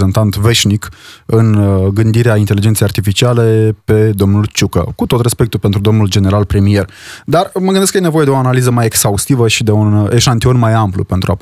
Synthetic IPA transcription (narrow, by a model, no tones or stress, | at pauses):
zent̪ant̪ve̞ʃnikɨnɡɨnd̪iɾeaint̪e̞lid͡ʒent̪sejart̪ifit͡ʃiale̞pe̞d̪o̞mnult͡ʃukə̰kut̪o̞t̪re̞spe̞k̚t̪ulpent̪ɾud̪o̞mnuld͡ʒe̞neɾalpɾemie̞rd̪arməɡɨnd̪eskəjenevo̞je̞d̪e̞o̞analizəmajeksaust̪ivəʃid̪e̞uneʃant̪io̞nmajamplṵpe̞nt̪ɾua